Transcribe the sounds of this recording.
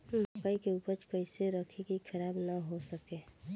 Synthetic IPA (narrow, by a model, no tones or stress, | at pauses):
lʊkaikeuːpəɾt͡ʃkəɪseɾəkʰekikʰəɾaːbnəɦosəkeː